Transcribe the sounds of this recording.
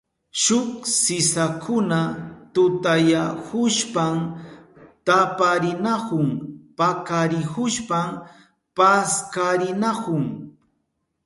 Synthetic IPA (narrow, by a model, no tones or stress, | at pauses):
ʃʊksɪsakʰʊnat̪ʊt̪ajahʊʃpam | t̪apaɾɪnakʊŋpakaɾɪhʊʃpam | paskaɾɪnakʊŋ